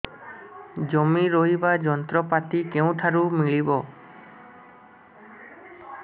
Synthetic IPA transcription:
d͡ʒɔmiɾoɦibad͡ʒɔnt̪ɾɔpat̪ikeũt̪ʰaɾumiɭibɔ

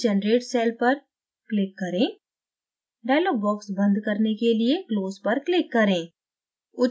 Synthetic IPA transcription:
d͡ʒɛnɾeːʈsɛːlpɐɾ | klɪkːɐɾẽː | ɖaːɪloːɡ̚bɔːksbə̃nd̪kɐɾnekeliekloːzpɐɾklɪkːɐɾẽː | ʊ

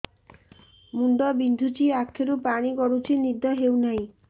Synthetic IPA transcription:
muɳɖɔbind̪ʱut͡ʃiakʰːeɾupaɽ̃ikɔɽut͡ʃʰinid̪ʱɔɦewnaj̃

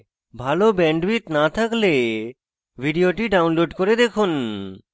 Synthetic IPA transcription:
bʱalobɛɳɖbit̪nat̪ʰakle | bʱiɖioʈiɖawnloɖkoɾed̪ekʰun

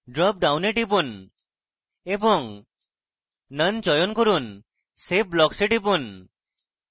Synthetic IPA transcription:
ɖɾɔp̚ɖawneʈipun | ebɔŋ | nənt͡ʃɔjonkɔɾun | sep̚blɔkseʈipun

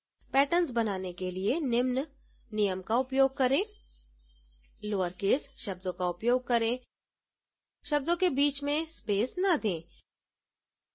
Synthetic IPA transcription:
pɛːʈəns̬bɐnaːnekelienɪmn | nɪjəmkaʊpjoːɡ̚kɐɾẽː | loːəɾkeːsʃɐb̚d̪õkaʊpjoːɡ̚kɐɾẽ | ʃɐb̚d̪õkebiːt͡ʃmẽspeːsnad̪ẽː

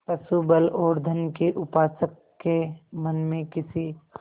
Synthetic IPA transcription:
pɐsubəloːɾd̪ʱənkeʔʊpaːsəkːemɐnmẽkɪsi

